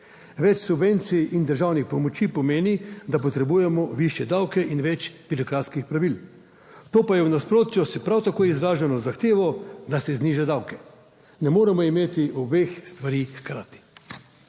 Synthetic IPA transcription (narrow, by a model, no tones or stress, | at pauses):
ʋɛt͡ʃsubʋent̪siind̪əɾʒaːwnixpɔmɔt͡ʃipɔmeːnid̪ap̬ɔt̪ɾɛbuːjɛmɔʋiʃjɛd̪awkɛʔinʋɛt͡ʃpiɾɔkɾaːt̪skixpɾaʋil | t̪oːpajɛwnaspɾoːt̪jɔsɛpɾawt̪akoːjizɾaːʒanɔzaxt̪eːʋɔd̪asɛzniʒad̪awkɛ | nɛmoːɾɛmɔimeːt̪iʔɔbexst̪ʋaɾixkɾa̰ːt̪i̥